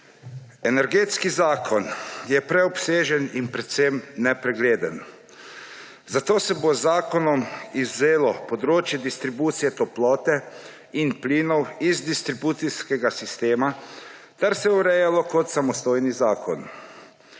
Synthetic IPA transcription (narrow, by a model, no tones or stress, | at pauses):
ɛnɛɾɡeːt̪skizaːkʰɔnjɛpɾɛɔpseːʒɛninpɾɛt̪semnɛpɾɛɡleːd̪ən | zat̪oːsɛbozːaːkɔnɔmizːeːlɔpɔd̪ɾoːt͡ʃjɛd̪ist̪ɾibuːt̪sijɛt̪ɔplɔːt̪ɛ | inpliːnɔwizd̪ist̪ɾibuːt̪siskɛɡasist̪eːma | t̪ɛɾsɛuɾɛjalɔkɔt̪samɔst̪oːjnizaːkɔn